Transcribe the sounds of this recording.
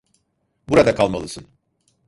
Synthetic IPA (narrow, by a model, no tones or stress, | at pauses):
buɾad̪akʰalˠmalˠɯsɯn